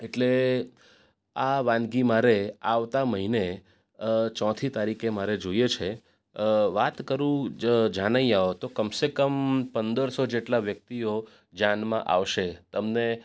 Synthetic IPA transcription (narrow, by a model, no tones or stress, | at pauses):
eʈle | aʋãnɡimaɾeaʋt̪aməɦine | t͡ʃɔ̃t̪ʰit̪aɾikemaɾed͡ʒoiet͡ʃʰe | ʋat̪kəɾũd͡ʒaɽ̃aiaot̪okəmsekəmpənd̪əɾsod͡ʒeʈlaʋjək̚t̪io | d͡ʒanmã̰ʔa̰ʋʃet̪əmne